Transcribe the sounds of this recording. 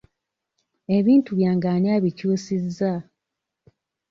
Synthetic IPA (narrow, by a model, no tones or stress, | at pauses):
eβiːntuβjaːŋɡaːniaːβicuːsizːa